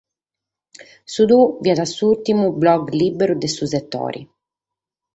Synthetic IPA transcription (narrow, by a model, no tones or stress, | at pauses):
sud̪uviad̪asuult̪imublɔɡliːbɛɾud̪ɛsusɛt̪ːɔ̰ːɾʔḭ